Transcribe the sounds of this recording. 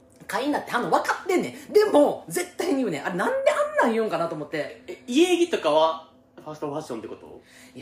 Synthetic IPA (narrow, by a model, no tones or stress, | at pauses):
kaiɲnat̪ːe̞hanːoβakat̪ːẽnːed̪e̞mod͡ze̞t̪ːaiɲ̟iɯ̟ːneʔaɾenãnd̪e̞ãnːãɰ̃jɯ̟̃ŋkanat̪oːmo̞t̪ːe̞ieɡʲit̪o̞kaβa | ɸasɨ̥t̪oɸaɕːont̪ekot̪o̰ja